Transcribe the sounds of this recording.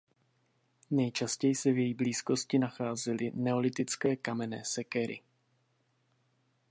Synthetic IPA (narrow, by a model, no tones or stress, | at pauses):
nɛjt͡ʃascɛjɪsɛvjɛjibliːsko̞scɪnaxaːzɛlɪnɛo̞lɪt̪ɪt͡skɛːkamɛnɛːsɛkɛɾɪ̰